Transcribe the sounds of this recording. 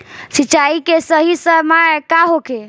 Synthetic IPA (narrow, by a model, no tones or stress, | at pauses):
sit͡ʃaikesəɦisəmakaɦoke